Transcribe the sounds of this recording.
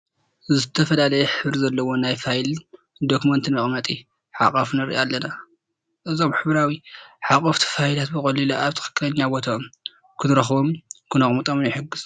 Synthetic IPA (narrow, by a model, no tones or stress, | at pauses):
zɨt̪ʰɐfɐlalɐjɛħɨβɾzɐlːɐwo̞najfajl | d̪okumɐnt̪ʰɨnmɐχʼmɐt̪ʼi | ħa̰kʼɐfnɨɾʔalːɐna | ʔɨzomħɨβɾawiħakʼɐft̪ʰi̥fajlat̪bɨxʼɐlilaaβt̪ʰɨ̥xɨ̥kːɨlɐɲːabo̞t̪ʰam | kʰɨnɨɾɐxbomkʰɨnɐχʼmɨt̪ʼomnjɛħɨɡːɨz̥